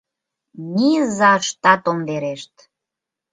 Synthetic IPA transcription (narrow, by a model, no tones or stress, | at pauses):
nizɑʃt̪ɑt̪omveɾeʃt̪